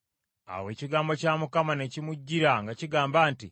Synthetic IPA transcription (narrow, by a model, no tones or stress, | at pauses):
a̰we̞ːciɡaːmbo̞caːmukamane̞cimuɟːiɾaŋɡaciɡaːmbaːnti